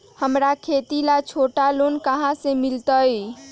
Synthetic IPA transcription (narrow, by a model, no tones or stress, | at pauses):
həmɾakʰet̪ilat͡ʃʰoʈalonkəɦãsẽmilt̪əj